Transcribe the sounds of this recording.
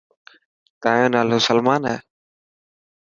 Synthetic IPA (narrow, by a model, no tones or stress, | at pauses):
t̪aːjõːnaːlʊsəlmaːnɦɛː